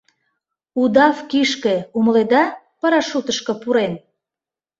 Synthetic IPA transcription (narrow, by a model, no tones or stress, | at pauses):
ud̪ɑfkiʃkeuməled̪ɑ | pɑɾɑʃut̪əʃkɤ̆puɾen